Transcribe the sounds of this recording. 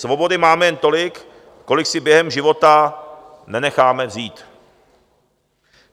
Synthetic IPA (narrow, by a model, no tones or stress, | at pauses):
svo̞bo̞dɪmaːmɛjɛnt̪o̞lɪk | ko̞lɪksɪbjɛɦɛmʒɪvo̞t̪a | nɛnɛxaːmɛvziːt̪